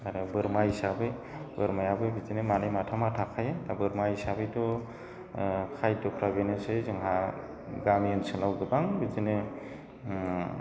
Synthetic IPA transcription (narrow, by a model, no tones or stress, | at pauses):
aɾɯbɯɾmahisabe | bɯɾmajabɯbizinemanɯjmatʰamatʰakʰajetabɯɾmahisabetɔ | kʰajdɔpʰɾabenɯsɯjzɯŋɦa | ɡamiɯnsɯnawɡɯbaŋbizine